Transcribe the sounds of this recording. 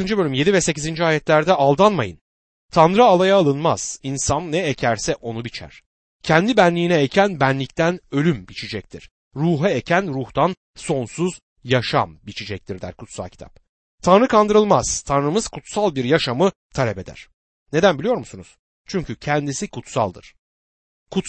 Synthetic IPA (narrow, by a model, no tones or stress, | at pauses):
ɯnd͡ʒɯbø̞lʲymje̞d̪ivɛsecizind͡ʒiaːjɛt̪lʲæɾd̪ɛʔalˠd̪anmajɯ̰n | t̪ʰanɾɯalˠajaːlˠɯnmaz̥insannɛecʰæɾsɛʔo̞nubit͡ʃʰæ̰ɾ̥ | cʰɛnd̪ibænlʲiːnɛecʰænbænlʲic̚t̪ʰænø̞lʲymbit͡ʃʰid͡ʒɛc̚t̪ʰḭɾ̥ | ɾuːɦɛecʰænɾuht̪ʰan | so̞nsuz | jaʃa̰mbit͡ʃʰid͡ʒɛc̚t̪ʰiɾd̪æ̰ɾkʰut̪sa̰lˠcʰi̥t̪ʰa̰p̚ | t̪ʰanɾɯkʰand̪ɯɾɯlˠmaz̥t̪ʰanɾɯmɯz̥kʰut̪salˠbiɾjaʃamɯ | t̪ʰalʲɛpe̞d̪æ̰ɾ̥ | ne̞d̪ænbilʲjo̞ɾmusunuz̥ | t͡ʃʰyɲcʰycʰɛnd̪isikʰut̪sa̰lˠd̪ɯɾ̥ | kʰut̪